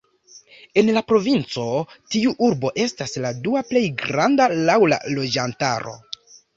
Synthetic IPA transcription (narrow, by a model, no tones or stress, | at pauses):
e̞nlapɾo̞vint͡so̞tiuʔuɾbo̞ʔe̞stasladuaple̞jɡɾandalawla̰lo̞d͡ʒanta̰ɾo̞̰